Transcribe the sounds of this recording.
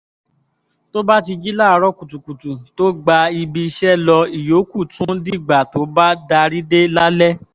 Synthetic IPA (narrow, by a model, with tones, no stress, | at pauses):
to˦ba˦ti˧d͡ʒi˦la˦˨˧ɾɔ˦ku˨tu˨ku˨tu˨to˦ɡ͡ba˧i˧bi˧ʃɛ˦lɔ˧i˨jo˨˦ku˦˨tũ˦di˦˨ɡ͡ba˨to˨˦ba˦da˧ɾi˦de˦la˦lɛ˦